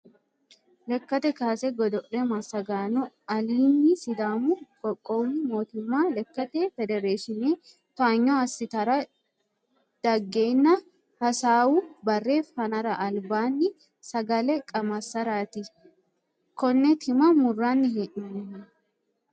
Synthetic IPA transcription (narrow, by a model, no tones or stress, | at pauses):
lɛkːɐt̪ɛkaːsɛɡɔd̪ɔʔɛmɐsːɐɡaːnɔ | ɐliːnːɪsɪd̪aːmukʼɔkʼːoːmːɪmo̞ːt̪ʊmːaːlɛkːɐt̪efɛd̪ɛɾeːʃɪneː | t̪ʊaːɲːoɐsːɪt̪ɐɾɐ | d̪̥ɐɡːeːnːɐ | hɐsaːwubɐrːe̞ːfhɐnɐɾɐʔɐlbaːnːɪ | sɐɡɐlɛkʼɐmɐsːɐɾaːt̪ɪ | kɔnːɛt̪ʰɪmɐmʊrːaːnːɪɦeʔɐn